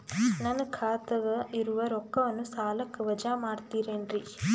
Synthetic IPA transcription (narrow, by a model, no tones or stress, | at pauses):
nɐnɐkʰaːt̪ɐɡɐiɾuʋɐɾɔkːɐʋɐnːusaːlɐkːɯʋɐd͡ʒaːmaːɽt̪iːɾeːnɾi